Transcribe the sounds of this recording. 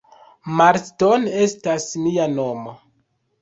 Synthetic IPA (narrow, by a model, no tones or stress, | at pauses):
maɾstone̞stasmiano̞mo